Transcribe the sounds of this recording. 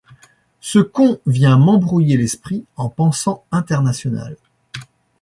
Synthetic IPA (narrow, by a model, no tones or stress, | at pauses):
səkɔ̃vjɛ̃mɑ̃bʁujelɛspχiɑ̃pɑ̃sɑ̃ɛ̃t̪ɛʁnasjɔna̰l